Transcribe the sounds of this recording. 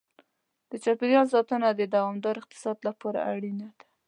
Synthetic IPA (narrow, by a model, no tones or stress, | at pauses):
d̪̥ət͡ʃapɪɾjɑlzɑt̪ənad̪əd̪awɑmd̪ɑɾɪq̚t̪ɪ̥sɑd̪lapɑɾa̰ʔaɽinad̪ḁ